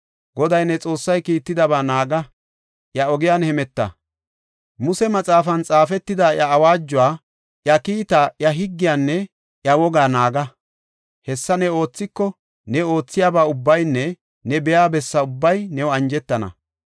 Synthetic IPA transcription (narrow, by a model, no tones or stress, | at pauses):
ɡɔd̪ɐjnɛt͡sʼo̞ːsːɐjkiːt̪ːɪd̪ɐbaːnaːɡɐ | ʔjɐɔɡɪjanhɛmɛt̪ːɐ̰ | mʊsɛmɐt͡sʼaːfɐnt͡sʼaːfɛt̪ːɪd̪ajɐːwaːd͡ʒːʊwaː | ʔjɐkiːt̪ajɐɦɪɡːɪjaːnːɛ | ʔjɐwɔɡaːnaːɡɐ | hɛsːɐnɛo̞ːt͡sːɪkːɔ | nɛo̞ːt͡sːɪjaːbaːʊbːɐjnːɛ | nɛbɛjaːbɛsːɐʊbːɐjnɛwɐnd͡ʒɛt̪ːɐnɐ̰